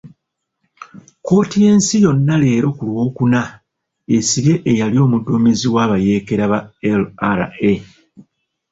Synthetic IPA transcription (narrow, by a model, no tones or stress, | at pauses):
ko̞ːtije̞ːnsijo̞nːale̞ːɾo̞kulwo̞ːkuna | e̞siɾe̞ʔejalio̞ːmudːomiziwaːβaje̞ːke̞ɾaβaelaɾa̰e